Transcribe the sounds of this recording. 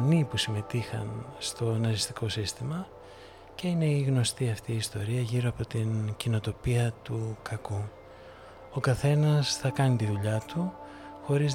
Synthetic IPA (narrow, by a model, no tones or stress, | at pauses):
nipusime̞t̪ixɐ̰nst̪o̞nɐzist̪i̥kʰo̞sist̪imɐ | ce̞ine̞iɣno̞st̪iɐft̪iːst̪o̞ɾiɐʝiɾo̞ɐpo̞t̪incino̞t̪o̞piɐt̪ukɐku | o̞kɐθe̞nɐsθɐkɐnit̪iðuʎɐt̪u | xo̞ɾiz